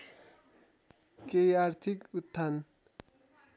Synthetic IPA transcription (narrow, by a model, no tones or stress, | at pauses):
kejaɾt̪ʰikut̪ʰːan